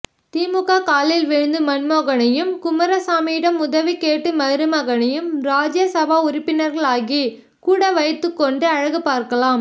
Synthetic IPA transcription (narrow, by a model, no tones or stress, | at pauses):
t̪iːmɯɣaːkaːlɪlʋɛɻnd̪ɯmɐnmoːɣɐnɐjɯmkʊmɐɾɐsaːmiːɽɐmʊðɐʋikeːʈːɯmɐɾɯmɐɣɐnɐjɯmɾaːd͡ʒjɐsɐbaːʊɾɪpːɪnɐɾɣɐɭaːɣi | kuːɽɐʋɐjɐt̪ːɯkːɔɳɖɯɐɻɐɣɯpaːɾkɐlaːm